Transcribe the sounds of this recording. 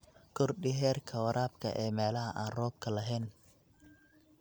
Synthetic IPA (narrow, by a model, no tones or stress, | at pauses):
kʰɔrɖɪɦɛːrkʰɐwɐɾʔaːbkʰɐ̰ʔɛːmɛːlɐɦɐʔaːnrɔːb̚kʰɐlɐɦɛːn